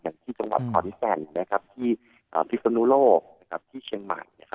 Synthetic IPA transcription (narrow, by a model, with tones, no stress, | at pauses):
ja˨˩ŋt̪ʰiː˥˩t͡ɕa˧ŋwa̰˨˩t̪̚kʰɔː˧˩ni˦˥sɛ˧nːa˦˥kʰa˦˥p̚t̪ʰiː˥˩ | ʔə̰ː˨˩pʰi˦˥t̪sa˧nuː˦˥loː˥˩k̚na˦˥kʰa˦˥p̚t̪ʰiː˥˩t͡ɕʰi˧əŋma̰˨˩jn˥˦˥kʰa˦